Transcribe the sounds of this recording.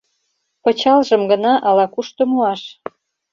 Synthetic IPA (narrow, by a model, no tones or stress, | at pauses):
pɤ̆t͡ɕɑlʒəmɡə̆nɑʔɑlɑkuʃt̪ŏmuɑʃ